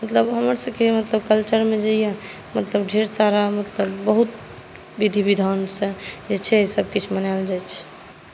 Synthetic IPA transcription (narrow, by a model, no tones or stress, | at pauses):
mət̪ləbɦəməɾsə̃kemət̪ləbkəlt͡ʃəɾmed͡ʒeja | mət̪ləbɖʱeɾsaɾamət̪ləbːəɦut̪ | ʋid̪ʱibid̪ʱansə̃d͡ʒet͡ʃʰɛsəb̚kit͡ʃʰmənald͡ʒajt͡ʃʰ